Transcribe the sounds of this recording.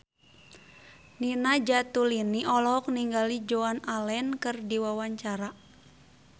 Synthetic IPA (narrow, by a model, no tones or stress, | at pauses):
ninad͡ʒat̪uliniʔɔlɔɦɔk̚niŋɡalid͡ʒoanalɛnkɨrdiwawaɲt͡ʃaɾa